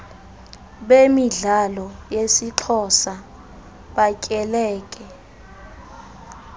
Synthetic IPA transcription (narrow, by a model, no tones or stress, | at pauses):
ɓemiɮalɔjesiǁʰɔsa | ɓacʼɛlɛːkʼɛ